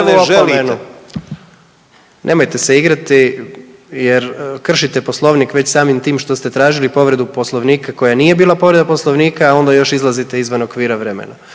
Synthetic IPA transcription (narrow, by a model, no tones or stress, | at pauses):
oʒomenu | nʔe̞mojt̪e̞seiɡɾat̪i | jeɾkr̩ʃit̪e̞po̞slˠo̞ʋnikʋe̞t͡ɕsaːmimt̪iːmʃt̪o̞st̪e̞t̪ɾaːʒilipo̞ʋɾe̞d̪upo̞slˠo̞ʋniːkako̞janije̞biːlˠapo̞ʋɾed̪apo̞slˠo̞ʋniːkaːo̞nd̪ajo̞ʃizlˠazit̪e̞izʋanokʋiːɾaʋɾe̞mḛna